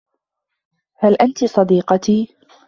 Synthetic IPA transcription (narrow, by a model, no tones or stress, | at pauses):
halʔant̪isˤɑd̪iːqɑt̪iː